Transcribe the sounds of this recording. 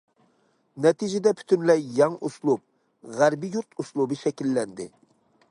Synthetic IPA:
nɛt̪id͡ʒɛd̪ɛpʰy̥t̪ʰynlɛjːɑŋuslˠup̚ | ʁæɾbijuɾt̪ʰuslˠubɨʃɛkʲilːɛnd̪ɪ

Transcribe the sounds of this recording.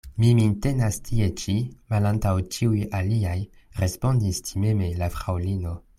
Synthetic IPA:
miminte̞nastʰie̞t͡ʃimalantawt͡ʃiujaliaj | ɾe̞spo̞ndistime̞me̞lafɾawlino̞

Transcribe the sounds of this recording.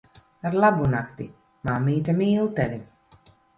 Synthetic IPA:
aɾlˠabunakt̪i | mamːiːt̪amiːlˠt̪ɛli

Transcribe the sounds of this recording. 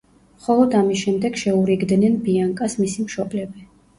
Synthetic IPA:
mχɔlˠɔd̪amisʃɛmd̪ɛɡ̥ʃɛuɾiɡd̪nɛnbiaŋkʼasmisimʃɔblɛbi

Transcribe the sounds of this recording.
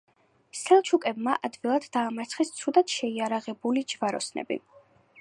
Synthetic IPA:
sɛlˠt͡ʃʰukʼɛbmaʔad̪vilˠad̪ːaːmat̪sʰχɛst̪sʰud̪at̪ʃɛiaɾaʁɛbulid͡ʒvaɾɔsnɛ̰bḭ

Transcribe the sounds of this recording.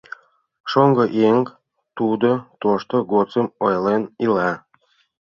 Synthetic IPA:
ʃoŋɡɤʔeŋk | t̪ud̪ot̪oʃt̪oɡot͡səmojlenilɑ

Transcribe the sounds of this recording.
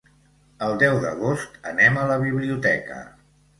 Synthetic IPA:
əlˠd̪ɛwðə̰ɣ̞ost̪ənɛmələβ̞iβliut̪ɛkə̰

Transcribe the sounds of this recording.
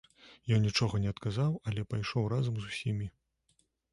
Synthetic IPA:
jɔnnʲit͡ʂɔɣɐnʲɛɐt̪kazawɐlʲɛpajʂɔwrazɐmzusʲimʲi

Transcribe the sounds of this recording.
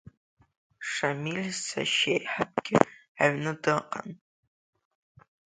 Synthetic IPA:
ʂamilʲsa̰ʃejħap̚ɡʲɪaɥnɨdɨqʼa̰n

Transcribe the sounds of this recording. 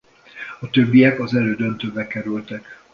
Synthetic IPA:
ɒt̪ø̞bːijɛkɒzɛløːd̪ønt̪øːbɛkɛɾylt̪ɛk

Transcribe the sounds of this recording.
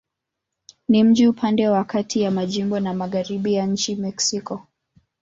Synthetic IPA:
nim̩ʄiupʰandɛwakʰatʰijamaʄimbɔnamaɣaɾiɓijaɲ̩t͡ʃimɛksikɔ

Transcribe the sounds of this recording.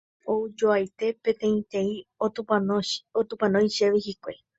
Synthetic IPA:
oud͡ʒoajt̪e̞pẽ̞t̪ẽ̞ĩt̪ẽ̞ĩo | ot̪ũpãnõj̃ʃeʋihikʷe

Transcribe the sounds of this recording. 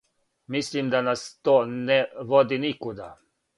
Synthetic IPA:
mislimd̪anast̪oːnɛʋɔd̪inikod̪a

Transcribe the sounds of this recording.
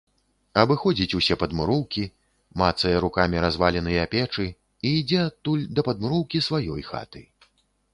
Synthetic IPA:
ɐbɨxɔd͡zʲit͡sʲusʲɛpɐd̪muɾɔwkʲi | mat̪sɐjɐɾukamʲiɾazvalʲɛnɨjɐapʲɛt͡ʂɨ | iːd͡zʲɛat̪ːulʲd̪ɐpɐd̪mɨɾɔwkʲisvajɔ̰jxa̰t̪ɨ

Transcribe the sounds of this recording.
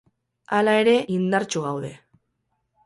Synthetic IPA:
alae̞ɾe̞ʔind̪aɾt͡ʃuɣawðe̞̰

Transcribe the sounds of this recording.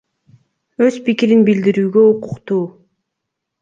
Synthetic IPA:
ø̞zpikiɾinbild̪iɾyːɡøuqʊqt̪uː

